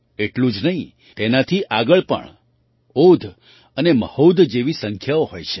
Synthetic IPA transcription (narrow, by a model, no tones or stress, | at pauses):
eʈlũd͡ʒnəɦĩ | t̪enat̪ʰiʔaɡəɭpə̰ɳ | od̪ʱ | əneməhod̪d͡ʒeʋisə̃ŋkʰjaohojt͡ʃʰe̥